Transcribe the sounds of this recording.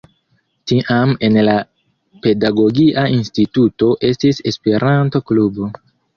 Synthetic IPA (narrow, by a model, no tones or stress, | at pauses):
tiʔame̞nla | pe̞daɡo̞ɡiʔaʔinstituto̞ʔe̞stise̞spe̞ɾʔanto̞klubo̞